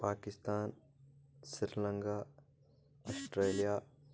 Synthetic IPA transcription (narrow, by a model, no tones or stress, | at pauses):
paːkɪst̪aːn | sɪɾlə̃ŋɡaː | ɔsʈɾeːlijaː